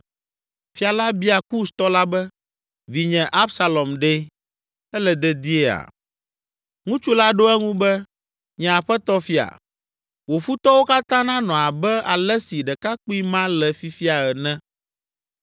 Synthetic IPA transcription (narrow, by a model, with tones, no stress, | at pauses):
fi˦a˨la˦bi˦a˨ku˦st̪ɔ˦la˦bɛ˦ | vi˨ɲɛ̃˨ʔa˦bsa˨lɔ˨mɖe˦ | ɛ˦lɛ˨d̪ɛ˨d̪i˦e˦a̰˨ | ŋũ˦t͡ʃu˦la˦ɖo˦ɛ˦ŋũ˦bɛ˦ | ɲɛ̃˨a˨ɸɛ˦t̪ɔ˦fi˦a̰˨ | wo˨fu˦t̪ɔ˦wo˦ka˦t̪ã˦nã˦nɔ̃˨a˨bɛ˦a˨lɛ˦si˨ɖɛ˨ka˦k͡pu˦i˦mã˦lɛ˨fi˦fi˦a˨ɛ˨nɛ̃˦